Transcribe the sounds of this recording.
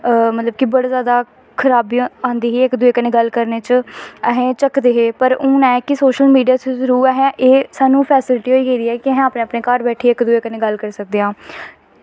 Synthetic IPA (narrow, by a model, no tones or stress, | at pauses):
mət̪ləb̚kɪbəɽaːzjaːd̪aː | kʰəɾaːbiːãːnd̪iːɦiːɪkd̪ʊeːkənẽːɡəlkəɾneːt͡ʃəɦẽːt͡ʃəkd̪eːɦeːpəɾũːnɛ̃ːkɪsoːʃəlmiːɖijaːt͡ʃːzəɾuːɾaɦɛ̃ʔeːsaːnũːpʰɛːsɪlʈiːɦoːiːɡeid̪iːɛːkɪəɦɛ̃ːaːpnẽːəpnẽːkaːɾbɛːʈʰeːɪkd̪ʊeːkənẽːɡəlkəɾsək̚d̪eːãː